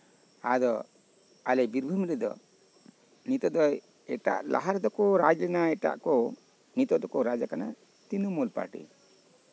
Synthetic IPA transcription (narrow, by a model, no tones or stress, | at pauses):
ad̪ɔ | alɛbiɾbʱumɾɛd̪ɔ̰ | nit̪ɔd̪ɔ | ɛʈa̰ʔlʔa̰ɦaɾd̪ɔkɔɾad͡ʒɛnaɛʈa̰ʔkɔ | nit̪ɔd̪ɔkɔɾad͡ʒakana̰ | t̪inumɔlpa̰ɾʈḭ